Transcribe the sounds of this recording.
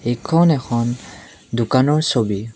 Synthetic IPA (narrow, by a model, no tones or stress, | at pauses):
ekʰɔnɛkʰɔn | dukanɔɹsobi